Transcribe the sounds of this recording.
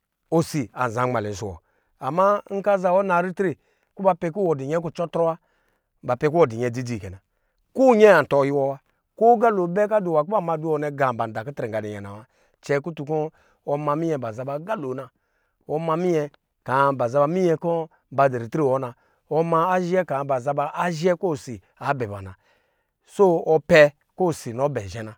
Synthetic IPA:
o˦si˨a˨za˨˦ŋ͡ma˨lɛ˨s̬u˨wɔ̰˨ | a˨ma˦ŋ̩˦ka˦za˧wɔ˦na˨ɾi˦tɾi˨ | ku˦ba˧˦pɛ˧ku˦wɔ˨di˨ɲɛ˦k̬u˦t͡ʃɔ˦tɾɔ˦wa˦ | ba˨pɛ˧k̬u˦wɔ˨di˨ɲɛ˨di˦di˨kɛ˨na˨ | ku˦ɲɛ˦a˨n̩˨tɔ˨˦ji˦wɔ˦wa˦ | ku˦ɡa˦lo˨˦bɛ˦k̬a˦du˨wa˨k̬u˦a˦ma˧˦du˦ɔ˧˦nɛ˨˧ɡa˨m˨ba˨n˨da˨ku˦tɾɛ˨ŋ˨ɡa˨di˨ɲɛ̰˨na̰˨wa˦ | t͡ʃɛ˧ku˦tu˧kɔ˦ | ɔ˧ma˧mi˦ɛ˧ba˨za˧ba˧˨˦ɡa˦lo˨na˨ | ɔ˨˦ma˧mi˦ɲɛ˧ | ka˨˦ba˨za˧˦ba˧mi˦ɲɛ˧kɔ˦ | ba˨de˨ɾi˨tɾi˦˨wɔ˦na˧ | ɔ˧ma˧a˦ʒɛ˦ka˨ba˨za˧ba˧ʔa˦ʒɛ˦ko˦˨si˨ | a˨˦bɛ˨ba̰˨na˨ | so˦ɔ˧pɛ˧ | ko˦˨si˨no˨˦bɛ˨ʒɛ˨na˨

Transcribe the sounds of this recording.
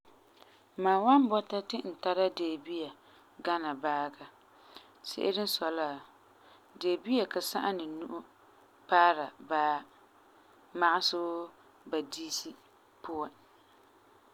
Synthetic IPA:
maː˨wa˦nbɔ˦ta˦tɪ˦n̩˨ta˦ɾa˦deː˨bi˦ja˨ | ɡa˦na˨baː˦ɡa˨ | sɪ̰˦ʔɪ˦ɾɪ˦n˦sɔ˨la˦˨ | de˨bi˦a˨ka˨sa̰˦ʔa˦nɪ˨nu˦ʔʊ˦ | paː˦ɾa˨baː˦ | ma˦ʔa˦sʊ˦ | ba˨diː˦si˦ | pʊ˦a˨

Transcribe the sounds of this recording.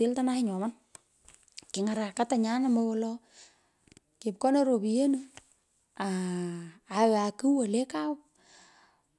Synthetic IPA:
ɪ˦lta˦na˦hɪ˦ɲɔ˨ma˦n | kɪ˨ŋa˨ɾa˨ka˦ta˨ɲa˦na˦mbɔwɔlɔ˦ | kɪ˨p̚kɔ˦na˦ɾo˨bi˨je˦nu˦ | a˨ | a˨wa˨kɨ˦wa˨le˦ka˦wp̚

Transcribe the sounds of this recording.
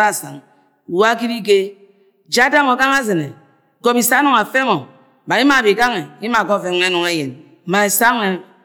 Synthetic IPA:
ɾa˦˨sa̰˨ŋ˨ | wa˦ki˦di˦ɡe˦ | d͡ʒa˦da˦ŋo˨ɡa˦ŋa˦ze˨ne˨ | ɡo˦bi˨sa˦nɔ˨ŋa˨fe˦ŋo˨ | ba˨i˦ma˨bi˨ka˦ŋe˨i˦ma˨ɡo˦˨fe˦ŋ˦e˦nɔ˨ŋe˦je˨n˨ | ma˨e˨sa˦ŋ˦e˦

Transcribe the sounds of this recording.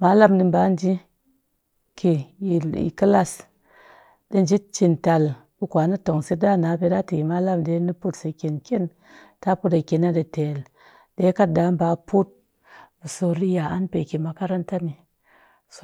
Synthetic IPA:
ma˨˦la˦mdi˧mba˨˦n˦d͡ʒi˦ | kʰi˨ḭ˨ki˦la˦s | ɗe˦n˨d͡ʒi˦t͡ʃi˨nta˨lbu˦kʷa˨˦na˦to˨ŋse˦da˦˨na˨˦pe˧˦da˦ti˨i˨ma˨˦la˦mde˨˦ni˦pu˦tse˨kʲe˨nkʲe˦n | ta˦pu˦ta˨ke˨na˦de˨te˨l | de˨˦ka˦t̚da˨˦m˦ba˨˦pu˦t̚ | bu˨so˧ɾi˦ja˨a˦npe˨ki˨ma˨˧ka˦ɾa˦nta˦ni˨ | s

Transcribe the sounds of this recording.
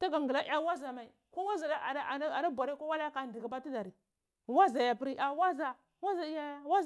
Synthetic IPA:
ta˦ɡa˨ŋɡə˨la˦ʔa˦wa˦za˨ma˨i˨ | ko˦wa˦za˨da˦a˨˦˨a˨ɾa˦bʷa˨ɾi˦ko˦wa˦la˦a˦ka˨ndi˨ɡi˨ba˦ti˦da˨ɾi˨ | wa˦za˨ja˨pi˦ɾi˦ʔa˨˦wa˦za˨ | wa˦za˨˦ja˦ja˦wa˦

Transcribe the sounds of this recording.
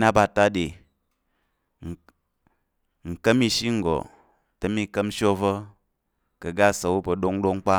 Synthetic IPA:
na˦ba˨ta˦de˨ | ŋ̩˨kə˦mi˧ʃi˦ŋ̩˨ɡo̰˨ | tə˨mi˧kə˦m˦ʃo˦və˦ | kɐ˨ɡa˦sa˨wu˦pə˧˨ɗo˦ŋdo˦ŋ˦k͡pa˦

